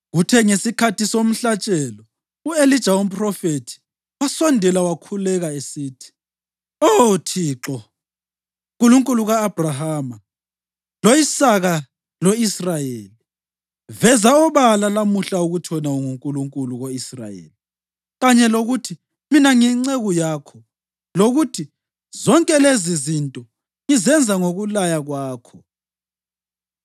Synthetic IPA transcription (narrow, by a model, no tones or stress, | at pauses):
ɣutʰɛŋesikʰatʰisom̩ɬat͡ʃʼɛlɔ | uelid̥ʒ̥ʱaum̩pʼrɔfetʰi̥ | wasɔndʱɛlawakʰulɛɣaesiːtʰi̥ | otʰiːǁɔ | kʼuluŋkʼuluɣaːb̥ʱrahaːma | loisaɣa | loisrajeːli | vɛzaɔβalalamuɬauɣutʰɔnauŋuŋkʼuluŋkʼuluɣoisra̰jḛːli | ɣaɲɛloɣutʰi | minaŋiŋ͡ǀeɣujaːkʰɔ | loɣutʰi | zɔŋkʼɛlezizintʼɔ | ŋizɛnd͡zʱaŋoɣulajaɣwaːkʰɔ